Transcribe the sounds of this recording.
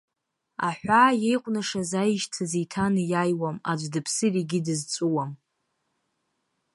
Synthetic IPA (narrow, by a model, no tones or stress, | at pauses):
a̰ħʷaje̞jqʷʼnaʂazajʒtʰazejtʰanɨjajwamad͡ʒʷdɨpʰsɨriɡʲɪdɨzt͡sʼuwam